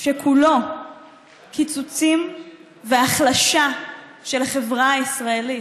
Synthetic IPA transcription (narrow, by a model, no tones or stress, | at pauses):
ʃekʰulo̞ | kʰit͡sut͡sim | veaχlaʃa | ʃe̞laχe̞vʁaːisʁaeli